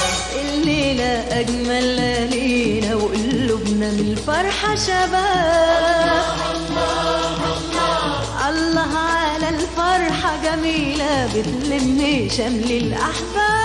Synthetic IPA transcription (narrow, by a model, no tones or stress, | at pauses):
ʔɪlːeːlaʔaɡmalleːlawʔʊlːʊbnamlfɑɾˤħɑʃaba | ʔɑlːɑɦʕalalfɑɾˤħɑɡæmiːlabɪt̪lɪmniʃamlɪlʔaħbaː